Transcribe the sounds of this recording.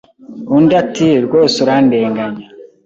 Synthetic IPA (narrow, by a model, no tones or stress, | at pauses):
undatiɾɡoːsuɾandeːŋɡaɲa